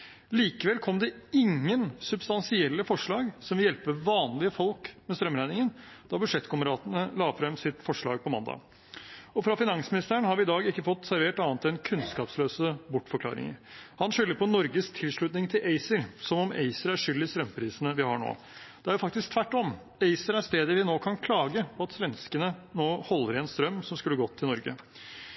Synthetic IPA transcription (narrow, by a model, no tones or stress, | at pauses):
liːkəʋɛlkʰɔmd̪ɛɪŋːənsʉbst̪ɑnsɪɛlːəfɔʂɭɑːɡsɔmʋɪljɛlpəʋɑːnlɪəfɔlkmɛst̪ɾœmɾæɪnɪŋənd̪̥ɑbʉdʂɛt̪ːkʰʊməɾɑːt̪ənəlɑːfɾɛmsɪt̪fɔʂɭɑ̰ːɡ̚pʰɔmɑnd̪ɑ̰ | ɔfɾɑfɪnɑŋsmɪnɪst̪əəɳhɑɾʋɪɪd̪ɑːɡɪkːəfɔt̪ːsæɾʋeːʈɑːnt̪ʰɛnkʰʉnskɑːpsløːsəbʊʈːfɔɾkʰlɑ̰ːɾɪ̰ŋə̰ɾhɑnʂʏlːəɾpɔnɔɾɡəst̪ʰɪlʂɭʉːt̪nɪŋt̪ʰɪlʔeɪsəɾsɔmɔmḛɪsəɾæɾʂʏld̪ɪst̪ɾœmːpʰɾiːsənəʋɪhɑɳo̰ː | d̪ɛæɾjʊfɑk̚t̪ɪsk̚t̪ʰʋæʈːɔm | eɪsəɾæɾst̪eːd̪əɾʋɪnoːkʰɑnkʰlɑːɡəpʰɔɑt̪sʋɛnskənənoːhɔlːəɾɛnst̪ɾœmːsɔmskʉlːəɡɔt̪ʰːɪlnɔɾɡə̰